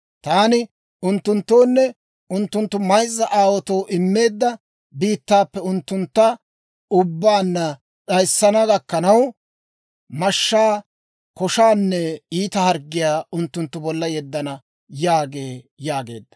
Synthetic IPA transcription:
t̪aːnɪ | ʊnt̪ːʊnt̪ːoːnːɛ | ʊnt̪ːʊnt̪ːʊmɐjzːɐʔaːwɔt̪oːʔɪmːe̞ːd̪ːɐ | biːt̪ːaːpːɛʊnt̪ːʊnt̪ːɐ | ʊbːaːnːɐ | t͡sɐjsːɐnɐɡɐkːɐnɐw | mɐʃːaː | kɔʃaːnːɛiːt̪ɐhɐɾɡːɪjaːʊnt̪ːʊnt̪ːʊbɔlːɐjɛd̪ːɐnɐ | jaːɡeː | jaːɡe̞ːd̪ːɐ̥

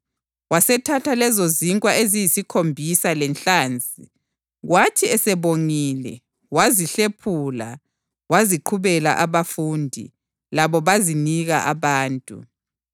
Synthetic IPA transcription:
wasɛtʰatʰalɛzoziŋkʼwaʔezijisikʰombʱisalɛnɬʼaːnd͡zʼi | ɣwatʰiɛsɛβoŋiːlɛ̰ | waziɬepʰula | waziǃʰuβɛla̰ʔaβafuːndʱḭ | laβɔβaziniɣaʔaβaːntʼṵ

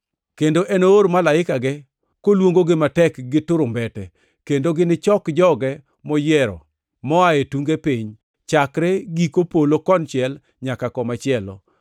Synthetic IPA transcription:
kendoʔɛnooɾmalaɪkaɡɛ | kolwoŋɡoɡɪmatɛkɡɪtʊɾʊmbɛtɛ | kendoɡɪnɪt͡ʃɔkd͡ʒɔɡɛ | mɔjɛɾɔ̰ | mɔaetuŋɡepiɲ | t͡ʃakɾɛɡikopolokɔnt͡ʃɪɛl | ɲakakɔmat͡ʃɪɛlɔ̰

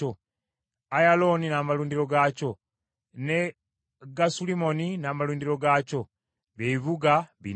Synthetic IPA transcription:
o | ajalo̞ninaːmaluːndiɾo̞ɡaco̞ | ne | ɡasulimo̞ninaːmaluːndiɾo̞ɡaːco̞ | βeiβuɡaβḭ

